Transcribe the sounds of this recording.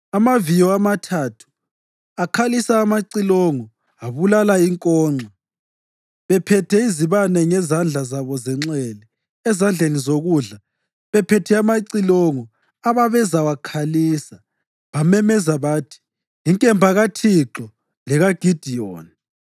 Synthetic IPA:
amavijɔamatʰatʰu̥ | akʰalisaːmaǀilɔŋɔ | aβulalaiŋkʼɔːŋ͡ǀʱa | βɛpʰɛtʰɛiziβanɛŋɛzand͡ɮʱazaβɔzɛŋ͡ǁɛlɛ | ɛzand͡ɮʱenizoɣuɮa | βɛpʰɛtʰɛamaǀilɔŋɔ | aβaβɛzawakʰaliːsa | βamɛmɛzaβaːtʰi̥ | iŋkʼɛmbʱaɣatʰiǁɔ | lɛɣaɡ̥ʱid̥ʱijoːni

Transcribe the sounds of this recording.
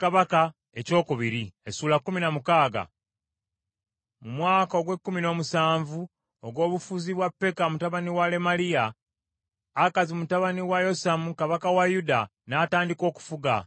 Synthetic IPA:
kaβaka | e̞co̞ːkuβiɾiesuːlakːuminamukaːɡa̰ | mumwaːkaoɡwe̞kːumino̞ːmusaːɱvu | oɡwo̞ːβufuziβwapːe̞kamutaβaniwale̞malija | kazimutaβaniwajo̞samukaβakawajudanaːtaːndiko̞ːku̥fuɡa̰

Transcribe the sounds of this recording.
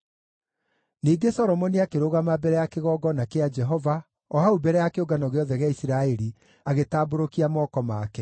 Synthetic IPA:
niːɡesɔɾɔmɔniakeɾoɣamabɛɾɛjakeɣɔːɡɔnakead͡ʒɛɦɔva | ɔhaubɛɾɛjakeoɡanɔɣeɔðɛɣeaisiɾaɛɾi | aɣetaːboɾokiamɔːkɔmaːkɛ

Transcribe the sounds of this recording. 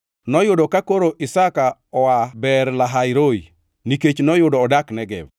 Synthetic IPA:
nɔjʊdɔkakoɾoʔisakaɔwabɛɾlaɦajɾoji | niket͡ʃnɔjʊdɔːdaknɛɡɛ̰b

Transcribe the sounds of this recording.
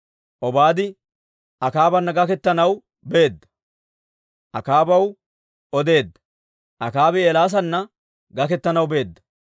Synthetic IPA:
ʔɔbaːd̪ɪ | ʔɐkaːbɐnːɐɡɐkɛt̪ːɐnɐw | be̞ːd̪ːɐ̥ | ʔɐkaːbɐw | ɔd̪e̞ːd̪ːɐ̥ | ʔɐkaːbɛeːlaːs̬ɐnːɐ | ɡɐkɛt̪ːɐnɐwbe̞ːd̪ːɐ̥

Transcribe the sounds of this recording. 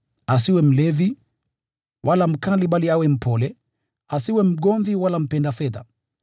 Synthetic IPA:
as̬iwɛm̩lɛvi | wʔalam̩kaliɓaliawɛm̩pɔlɛ | asiwɛm̩ɠɔɱviwalam̩pɛndafɛða̰

